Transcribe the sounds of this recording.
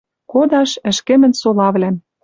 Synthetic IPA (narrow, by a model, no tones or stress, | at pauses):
kod̪ɑʃɘ̆ʃkĕmɘ̆nsolɑβlæm